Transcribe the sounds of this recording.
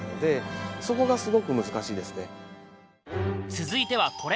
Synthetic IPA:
nod̪e̞so̞ko̞ɡasɨɡo̞kɯ̟mɯ̟zɨkaɕiːd̪e̞sɨne̞ | t͡sɨzɨit̪e̞β̞akʰo̞ɾe

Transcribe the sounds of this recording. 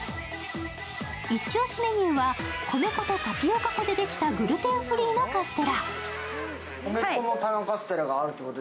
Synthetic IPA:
it͡ɕio̞ɕime̞ɲ̟ɯːβakʰo̞me̞ko̞t̪o̞t̪apʲio̞kako̞d̪e̞d̪e̞kʲi̥t̪aɡɯ̟ɾɯ̟t̪ẽ̞ɰ̃ɸɯ̟ɾʲiːno̞kasɨ̥t̪e̞ɾa | komekonot̪akasɨ̥t̪e̞ɾaɡaːɾɯ̟t̪oikot̪o

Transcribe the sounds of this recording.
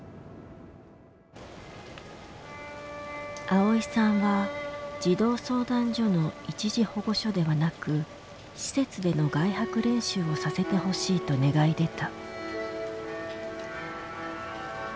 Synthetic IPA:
ao̞isãɰ̃βad͡ʑid̪o̞ːso̞ːd̪ãɲd͡ʑo̞no̞it͡ɕiʑiho̞ɡo̞ɕo̞d̪e̞βanakɯ̟ | ɕi̥se̞t͡sɨd̪e̞no̞ɡaihakɯ̟ɾẽ̞ɰ̃ɕɨːo̞sase̞t̪e̞ɦo̞ɕiːt̪o̞ne̞ɡaid̪e̞t̪a

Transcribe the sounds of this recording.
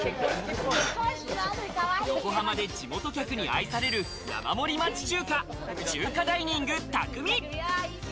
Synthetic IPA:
joko̞ɦamad̪e̞d͡ʑimo̞t̪o̞kʲakɯ̟ɲ̟ia̰isaɾe̞ɾɯ̟ | ja̰ma̰mo̞ɾʲimat͡ɕi̥t͡ɕɨːka | t͡ɕɨkad̪aiɲ̟ĩŋɡɯ̟t̪akɯ̟mʲi

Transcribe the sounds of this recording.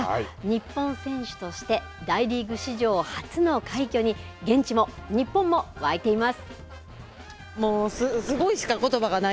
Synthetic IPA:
ɲ̟ipːõ̞ɰ̃sẽ̞ɰ̃ɕɨ̥t̪o̞ɕi̥t̪e̞ | d̪aiɾʲiɡɯ̟ɕiʑo̞ːhat͡sɨno̞kʰaikʲo̞ːɲ̟iɡẽ̞ɲ̟t͡ɕimo̞ɲ̟ipːõ̞mːo̞βaet̪e̞imasɨ̥ | moːsɨsɨɡo̞iɕi̥kako̞t̪o̞baɡana

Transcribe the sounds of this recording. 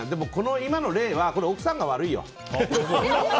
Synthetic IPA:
d̪e̞moko̞noimano̞ɾe̞ːβako̞ɾeokɯ̟̥sãŋɡaβaɾɯijo̰

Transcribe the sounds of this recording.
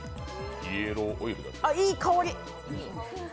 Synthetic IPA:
ieɾoːʔoiɾɯd̪a̰aiːkʰaoɾʲi

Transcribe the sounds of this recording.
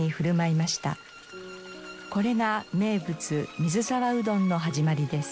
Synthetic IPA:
iɸɯ̟ɾɯ̟maimaɕi̥t̪a̰ | ko̞ɾe̞ŋame̞ːbɯ̟t͡sɨmʲizɨsaɾaɯ̟d̪õ̞nːo̞ɦaʑimaɾʲid̪e̞sɨ̥

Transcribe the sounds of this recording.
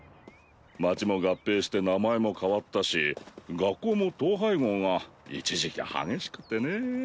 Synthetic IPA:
mat͡ɕimo̞ɡapːe̞ːɕi̥t̪e̞namaemo̞kaβat̪ːaɕiɡakːo̞ːmo̞t̪o̞ːɦaiɡõ̞ːŋaḭt͡ɕiʑikʲia̰ha̰ɡe̞ɕi̥kɯ̟̥t̪ːe̞ne̞

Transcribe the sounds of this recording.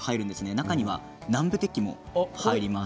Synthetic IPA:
haiɾɯ̟̃nd̪esɨne̞nakaɲ̟iβa̰ | nãmbɯ̟t̪e̞kʲːimo̞̰haiɾʲima

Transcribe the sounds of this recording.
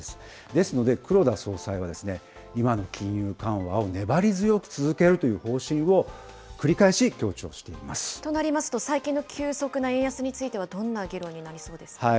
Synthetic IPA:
esɨ̥ | d̪e̞sɨno̞d̪e̞kɯ̟ɾo̞d̪aso̞ːsaiβad̪e̞sɨne̞ | imano̞kʲĩɰ̃jɯːkãɰ̃βa̰o̞ne̞baɾʲizɨjo̞kɯ̟̥t͡sɨzɨke̞ɾɯ̟t̪o̞jɯ̟ːho̞ːɕĩɰ̃βo̞ | kɯ̟ɾʲikaeɕikʲo̞ːt͡ɕo̞̰ːɕi̥t̪e̞imasɨ̥t̪o̞naɾʲimasɨ̥t̪o̞saikʲĩnːokʲʰɨːso̞kɯ̟naẽjasɨɲ̟it͡sɨit̪e̞βad̪õ̞nːaɡʲiɾõ̞ɲ̟ːinaɾʲiso̞ːd̪e̞sɨ̥ha

